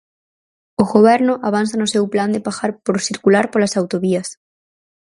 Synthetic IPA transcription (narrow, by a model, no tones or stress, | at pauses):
oɣoβ̞ɛɾnoʔaβ̞anθanosewpland̪epaxaɾpoɾsiɾkulaɾpolasawt̪oβias